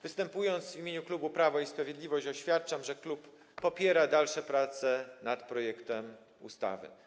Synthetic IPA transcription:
vɘst̪ɛmpujɔnt̪svʲimʲeɲuklubupɾavɔispɾavʲjed̪lʲivɔɕt͡ɕɔɕfʲjat̪̚t͡ʂamʐɛklupː | ɔpʲjɛɾad̪alʂɛpɾat̪sɛnat̪pɾɔjɛkt̪ɛm | ṵst̪a̰vɘ̰

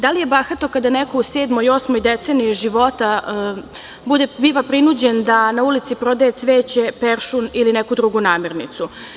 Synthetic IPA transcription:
d̪alije̞baxat̪o̞kad̪anekouseːd̪mojo̞smojd̪et̪eːniʒiʋo̞t̪a | bud̪ebiʋapɾinud͡ʑe̞nd̪anaulit̪sipɾo̞d̪ajet̪sʋeːt͡ɕepeɾʃunilinekud̪ɾuɡunaːmeɾnḭt̪su

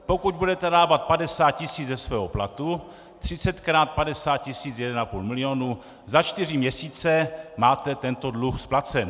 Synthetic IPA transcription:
po̞kuɟ̚budɛt̪ɛdaːvat̪̚padɛsaːt̪̚cɪsiːd͡zzɛsvɛːɦoplat̪u | t̪r̝̥ɪt͡sɛt̪kɾaːt̪̚padɛsaːt̪̚cɪsiːt͡sjɛdɛnapuːlmɪlɪoːnu | zat͡ʃt̪ɪr̝ɪmɲɛsiːt͡sɛmaːt̪ɛt̪ɛnt̪odluxsplat͡sɛm

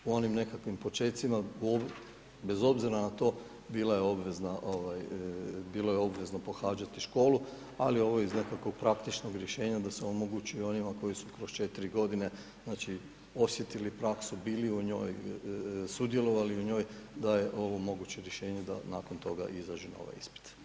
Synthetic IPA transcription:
uo̞nimne̞kakʋimpo̞t͡ʃe̞ːt̪simaob | be̞zo̞bziɾanat̪o̞ː | biːlajeo̞bʋe̞znaʔoʋajbiːlo̞jeo̞bʋe̞zno̞po̞xaːd͡ʒat̪iʃko̞ːlu | alio̞ʋo̞izne̞kako̞ɡ̚pɾakt̪it͡ʃnoɡɾjeʃe̞ːɲad̪aseo̞mo̞ɡut͡ʃujuo̞nimako̞jisukɾo̞st͡ʃe̞t̪iɾiɡo̞d̪ine̞ | znaːt͡ʃi | o̞sje̞t̪ilipɾaksubiːliuɲo̞̰ːj | sud̪je̞lo̞ʋaliuɲo̞ːjd̪aje̞ʔo̞ʋo̞mo̞ɡut͡ɕe̞ɾjeʃe̞ːɲe̞d̪a̰naːko̞nt̪o̞ɡa̰ʔizaʒino̰ʋa̰jḭspi̥t̪

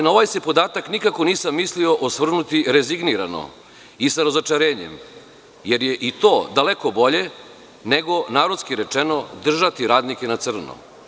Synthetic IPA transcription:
naoʋajse̞po̞d̪aːt̪aknikako̞niːsamːiːslio̞ʔosʋr̩nut̪iɾeziɡniɾa̰no̰ | isaɾazot͡ʂaɾeːɲḛm | je̞ɾjeʔit̪oːd̪alekobo̞ʎe̞ | neɡo̞naːɾod̪skiɾet͡ʂeno̞d̪r̩ʒat̪iɾaːd̪nikenat̪sr̩no̰

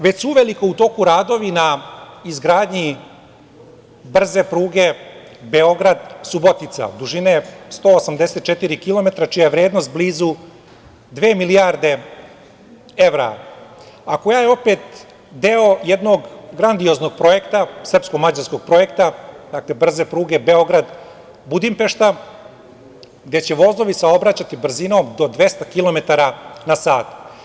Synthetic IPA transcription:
ʋe̞suuʋe̞liko̞ut̪o̞kuɾaːd̪o̞ʋinaizɡɾaːd̪ɲi | br̩ze̞pɾuːɡe̞ | beo̞ɡɾad̪subot̪it̪sa̰d̪uʒinest̪o̞ːosamd̪e̞set̪̚t͡ʃet̪iɾikilˠo̞me̞t̪ɾat͡ʃijajeʋɾe̞ːd̪no̞st̪̚bliːzu | d̪ʋeːmilijaːɾd̪e̞ | eʋɾa̰ | ako̞jajeo̞peːt̪ | d̪e̞o̞jed̪no̞ɡɡɾand̪io̞znoɡ̚pɾo̞je̞kt̪asr̩pskomad͡ʑaɾsko̞ɡ̚pɾo̞je̞kt̪ad̪̥akle̞br̩ze̞pɾuːɡe̞be̞o̞ɡɾad̪ | bud̪impe̞ʃt̪a | ɡd̪e̞t͡ɕe̞ʋo̞zlˠo̞ʋisao̞bɾat͡ɕat̪ibr̩zino̞md̪o̞d̪ʋe̞st̪akilˠo̞me̞t̪aɾanasaːt̪

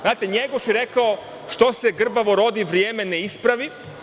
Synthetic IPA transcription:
zaːt̪eɲeɡoʃjeɾe̞kao | ʃt̪o̞se̞ɡr̩baʋo̞ɾo̞d̪iʋɾjeːme̞neispɾaʋi

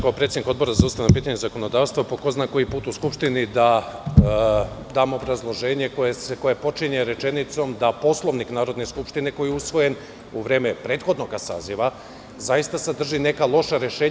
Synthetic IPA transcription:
kaopɾet̪ed̪iko̞d̪bo̞ɾazaust̪aʋjnapiːt̪aɲezako̞no̞d̪aːʋst̪ʋapokoznako̞jipuːt̪uskupʃt̪inid̪a | d̪aːmo̞bɾazlˠo̞ʒe̞ːɲe̞kojeseko̞jepo̞t͡ʃiɲeɾe̞t͡ʃe̞nit̪so̞md̪apo̞slˠo̞ʋniknaːɾo̞d̪ne̞skupʃt̪ine̞ko̞jiusʋo̞je̞n | uʋɾe̞ːme̞pɾe̞ːt̪xo̞d̪no̞ɡasa̰ːziʋa | zajist̪asad̪r̩ʒine̞kalˠo̞ʃaɾe̞ʃeːɲ

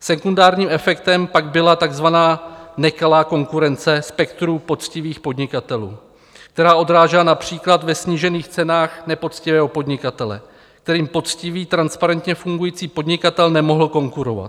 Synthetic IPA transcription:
sɛkundaːɾɲiːmʔɛfɛkt̪ɛmpaɡbɪlat̪aɡzvanaːnɛkalaːko̞ŋkuɾɛnt͡sɛspɛkt̪ɾupo̞t͡scɪviːxpo̞d̪ɲɪkat̪ɛlṵː | k̚t̪ɛɾaːʔo̞d̪ɾaːʒɛlanapr̝̥iːklat̪vɛsɲiːʒɛniːxt͡sɛnaːxnɛpo̞t͡scɪvɛːɦo̞po̞d̪ɲɪkat̪ɛlɛ̰ | k̚t̪ɛɾiːmpo̞t͡scɪviːt̪ɾanspaɾɛnt̪ɲɛfuŋɡujiːt͡siːpo̞d̪ɲɪkat̪ɛlnɛmo̞ɦl̩ko̞ŋkuɾo̞va̰t̪

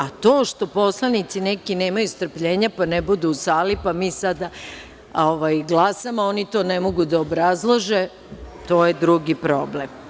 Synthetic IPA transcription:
at̪o̞ːʃt̪o̞po̞slˠanit̪sinekine̞ːmajust̪r̩pʎe̞ːɲapanebud̪uːsaːlipamiːsad̪a | oʋajɡlˠasamao̞nit̪o̞ːnemo̞ɡud̪aobɾazlˠoʒe̞ | t̪o̞ːjed̪ɾuɡipɾo̞blem

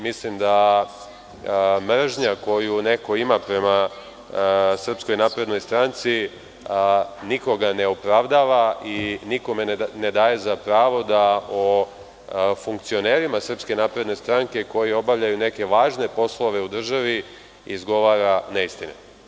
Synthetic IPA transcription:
mislimd̪a | mr̩ʒɲako̞june̞ko̞imapɾe̞ma | sr̩psko̞jnaːpɾe̞d̪no̞jst̪ɾant̪si | niko̞ɡane̞upɾaʋd̪aːʋainiko̞me̞ne̞d̪aːje̞zapɾaːʋo̞d̪ao | fuŋkt̪sio̞ne̞ːɾimasr̩pske̞naːpɾe̞d̪ne̞st̪ɾaŋke̞ko̞jio̞baʋʎajune̞ke̞ʋaːʒne̞po̞slˠo̞ʋe̞ud̪r̩ʒaʋi | izɡo̞ʋaːɾaneist̪inḛ

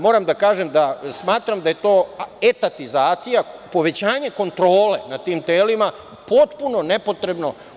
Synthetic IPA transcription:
mo̞ːɾamd̪akaːʒemd̪asmaːt̪ɾamd̪aje̞t̪o̞ːet̪at̪izaːt̪sijapo̞ʋe̞t͡ɕaːɲe̞ko̞nt̪ɾo̞ːle̞nat̪iːmt̪eːlima | po̞t̪puno̞ne̞po̞t̪ɾe̞bno̞

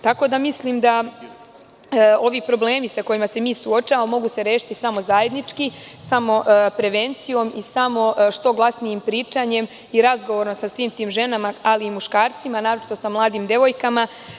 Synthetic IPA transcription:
t̪ako̞d̪amisliːmd̪a | o̞ʋiːpɾo̞ble̞ːmisako̞jimase̞miːsuo̞t͡ʃaaomo̞ɡuse̞ɾe̞ːʃi̥t̪isamo̞zaje̞d̪nit͡ʃkisamo̞ʔpɾe̞ʋent̪sijo̞misamo̞ʃt̪o̞ɡlˠasnijimpɾiːt͡ʃaɲe̞m | iɾazɡoʋo̞ɾosasʋiːmt̪iːmʒe̞namaaliːmuʃkaːɾt̪simanaːɾo̞t͡ʃi̥t̪o̞samlˠaːd̪imd̪e̞ʋo̞jkama

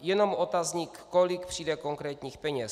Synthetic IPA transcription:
jɛno̞mot̪azɲikːolikpr̝̥iːdɛko̞ŋkɾɛːt̪ɲiːxpɛɲɛs

